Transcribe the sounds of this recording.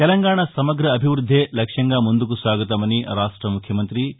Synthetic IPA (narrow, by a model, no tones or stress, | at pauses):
t̪ɛlɐŋɡaːɳɐsɐmɐɡɾɐːbʱiʋɾud̪ʱːeːlɐkʂɐŋɡaːmund̪ukusʋaːɡɐt̪ɐmɐniɾaːʂʈɾɐmukʰjɐmɐnt̪ɾi